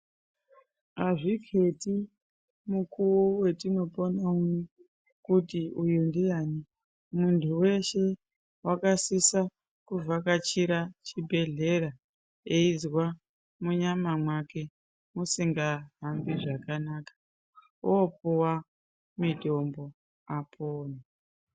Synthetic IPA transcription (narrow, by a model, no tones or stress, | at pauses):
aʐikʰe̞ti | mukuwowe̞tino̞ponami | kutiujundijaːni | muntʰuwe̞ʃe̞ | wʔakasisa | kuvakat͡ʃiɾat͡ʃibʱe̞ɮe̞ɾa | eizwa | muɲamamwake̞ | musiŋɡaɦambiʐakanakḁ | op̚uwa | midʱo̞mbo̞ | apʰoːna